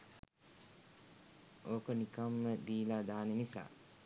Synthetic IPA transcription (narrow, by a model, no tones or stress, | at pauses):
oːkənikamːəd̪iːlad̪aːnenisa̰ː